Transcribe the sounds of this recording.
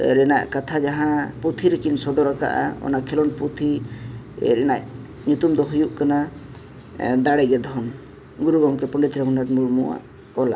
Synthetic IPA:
ɾɛna̰ʔkat̪ʰad͡ʒaɦãput̪ʰiɾekinsɔd̪ɔɾaka̰ʔa̰ɔ̰nakʰɛlɔnput̪ʰi | ɾɛna̰ʔ | ɲut̪umd̪ɔɦujuʔkana | d̪aɽɛɡɛd̪ʱɔn | ɡuɾuɡamkɛpɔɳɖɛt̪ɾɛɦunat̪muɾmṵwa̰ʔ | ɔla̰

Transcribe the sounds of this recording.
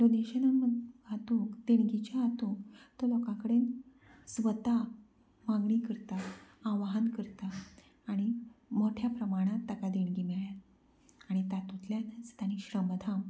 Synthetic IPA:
jɔd̪eɕənaməd̪ɡʱat̪ũkd̪eɳ̃ɡit͡ɕaɦat̪ũkt̪ɔlɔkãkəɽen | sʋət̪a | mãɡɳikəɾt̪aːʋaɦənkəɾt̪aː | ɽ̃imoʈʰjapɾəmaɽ̃ãt̪ːəkad̪eɽ̃ɡimɛɭja | aɽ̃it̪at̪ut̪ljanət͡st̪aniɕɾəmd̪ʱam

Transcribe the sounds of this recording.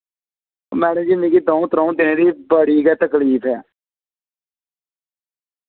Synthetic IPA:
mɛːnẽːd͡ʒiːmiːkiːd̪õːũt̪ɾɔ̃ːũd̪ɪneːd̪iːbəɽiːɡɛːt̪əkliːpʰɛː

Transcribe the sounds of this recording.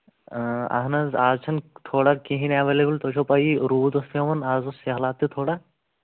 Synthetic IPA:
ɐ̰ɦnɐzaːzt͡ʃʰɐnt̪ʰoːɽakĩɦĩnaːʋeleːbult̪oːt͡ʃʰopɐiɾuːd̪ost̪ʰeʋɐnaːzoseɦɐlaːt̪ːit̪ʰoːɽa

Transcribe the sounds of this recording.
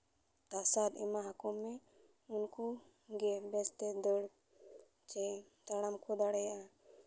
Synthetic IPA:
t̪asad̪ɛmaɦakɔmːɛ | unku | ɡɛbɛst̪ɛd̪ɔɽ | t͡ʃɛ | t̪aɽamkʰɔd̪aɽɛjaʔa

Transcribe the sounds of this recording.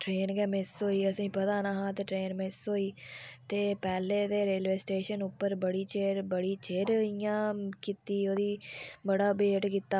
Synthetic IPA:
ʈɾeːnɡɛːmɪsoːiːəsĩːpət̪aːnãːɦãːt̪eːʈɾeːnmɪsoːiː | t̪eːpɛːleːd̪eːɾeːlʋeːsʈeːʃənʊpːəɾbəɽiːt͡ʃeːɾbəɽiːt͡ʃeːɾijãːkit̪iːoːd̪iːbəɽaːbeːʈkit̪ːaː

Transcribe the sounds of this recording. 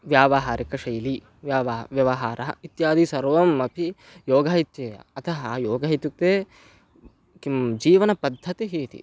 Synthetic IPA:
ʋjaːʋɐɦaːɾikɐʃɐjli | ʋjaːʋʋjɐʋɐɦaːɾʔɐɦɐ̰it̪jaːd̪isɐɾʋɐmɐpʰi | joːɡɐːɦit̪jeːɐ̰ɐt̪ʰɐɦɐjoːɡɐɦit̪uk̚t̪eː | kimd͡ʒiːʋɐnɐpɐd̪ʱːɐt̪iɦiːt̪ḭ

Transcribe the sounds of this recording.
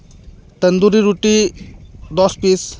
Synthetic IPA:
t̪ənd̪uɾiɾuʈi | d̪ɔspis

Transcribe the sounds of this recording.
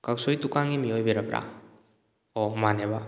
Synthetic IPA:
kaksojt̪ukaŋimiojbeɾapɾa̰ | ɔmaneba

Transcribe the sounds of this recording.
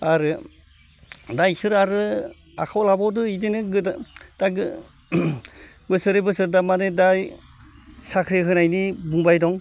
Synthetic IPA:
aɾɯ | dajsɯɾaɾɯ | a̰kʰawlabɔwdɯidenɯɡɯtaɡɯ | bɯsɯɾebɯsɯɾdamanɯdaj | sakʰɾiɦɯnajnibuŋbajdɔŋ

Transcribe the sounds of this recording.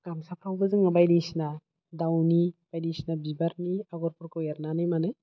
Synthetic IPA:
ɡ̥amsapʰɾawbɯzɯŋabajdisna | dawnib̥ajdisnabibaɾniaɡɔɾpʰɔɾkɯjaɾnanɯjmanɯ

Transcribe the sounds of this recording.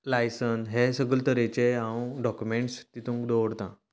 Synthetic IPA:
lajsənɦesəɡəlt̪əɾẽt͡ɕeaũɖɔkjumeɳʈst̪it̪ʰũŋkd̪owɽt̪ã

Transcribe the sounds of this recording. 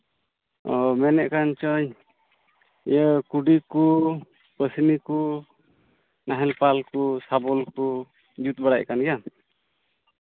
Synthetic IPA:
ɔmɛnɛʔkant͡ʃɔɲ | jəkuɖiku | pəsiniku | naɦɛlpalkusabɔlku | d͡ʒut̪̚baɽackanɡɛja

